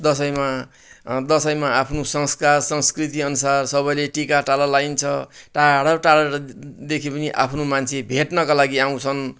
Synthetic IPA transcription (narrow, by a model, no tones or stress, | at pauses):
d̪ʌsʌjma | d̪ʌsʌjmaapʰnosʌŋskarsʌŋskrit̪iʌnusarsʌβʌjleʈikaʈalʌlajnt͡sʰʌʈaɽʌʈaɽʌɾʌd̪ekʰipʌniʔa̰pʰnomant͡sʰebʱeʈnʌkalaɡiaw̃t͡sʰʌn